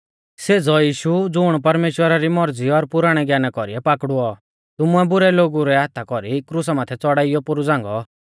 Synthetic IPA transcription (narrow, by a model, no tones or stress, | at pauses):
seːd͡zɔjiːʃud͡zʊɽ̃pɐɾmeːʃwəɾaɾimɔɾd͡ziɔɾpʊɾaːɽ̃ɛɡjaːnakɔɾiɛpaːkɽuɔ | t̪ʊmuɛbʊɾɛloːɡuɾɛɦaːt̪ʰakɔɾikɾus̬amãːt̪ʰɛt͡sɔɽaːɪjɔpʊɾud͡zãːŋɡɔ